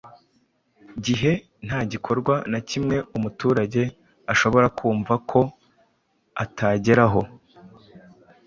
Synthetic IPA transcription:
ɟiɦe̞ | n̥haːɟikʰo̞ɾɡwanacimŋe̞umutuːɾaɟe̞ | aʃo̞βo̞ɾakʰuːɱvakʰo̞ | atʰaɟe̞ɾaɦo̞

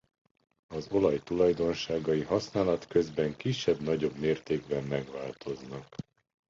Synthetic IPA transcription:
ɒzo̞lɒjt̪ulɒjd̪o̞nʃaːɡɒjiɦɒsnaːlɒt̪kø̞zbɛŋkiʃɛbnɒɟo̞bmeːrt̪eːɡ̚bɛmːɛɡʋaːlt̪ʰo̞znɒk

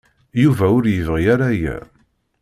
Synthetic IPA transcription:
juvæʊɾjəvʁijaɾajæ̰

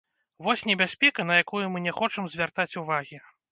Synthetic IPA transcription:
vɔsʲnʲɛbʲasʲpʲɛkɐnɐjakujumɨnʲɛxɔt͡ʂɐmzʲvʲart̪at͡sʲuvaɣʲi

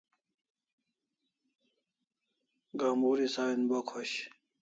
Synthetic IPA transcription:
ɡaːmuɾisaːinbokʰoɕ

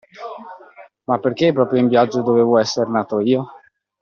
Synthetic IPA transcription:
mapːerkepːɾɔːpɾjoimvjad͡ʒːod̪oveːvoɛsːeɾnaːt̪oiːo

